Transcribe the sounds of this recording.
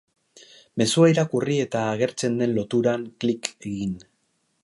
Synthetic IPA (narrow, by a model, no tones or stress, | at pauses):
me̞suaiɾakurie̞t̪aːɣ̞e̞ɾt͡se̞nd̪e̞nlo̞t̪uɾaŋklike̞ɣin